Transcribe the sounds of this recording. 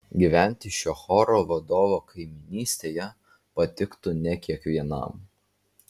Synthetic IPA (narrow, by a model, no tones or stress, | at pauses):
ɡʲiˑʋʲæˑnʲt̪ʲɪʃʲoːxɔɾoːʋɐd̪oːʋokʰɐɪmʲɪnʲiːsʲt̪ʲeːjɛ | pɐt̪ʲɪkt̪ʊnʲɛkʲiɛkʋʲiɛnɐ̰ˑm